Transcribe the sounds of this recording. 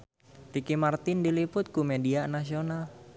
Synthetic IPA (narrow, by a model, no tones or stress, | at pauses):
ɾikimart̪ɪndilipʊt̪̚kumedianas̬ional